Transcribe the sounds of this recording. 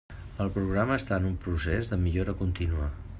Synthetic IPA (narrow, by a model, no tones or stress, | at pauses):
əlˠpɾuɣɾaməːst̪aənumpɾusezðəmiʎoɾəkunt̪inua